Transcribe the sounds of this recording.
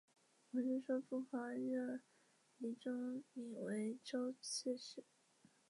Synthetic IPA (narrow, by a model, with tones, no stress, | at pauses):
wɔ˨˧˩t͡ɕy˥˩ʂwɔ˥fu˥fa˧˥ɻə˥˩ | i˧˥ʈ͡ʂo˥ŋi˨˩we˧˥ɪʈ͡ʂo˥ʊt͡ɕʰɛ˥˧ʂɻ̩˥˩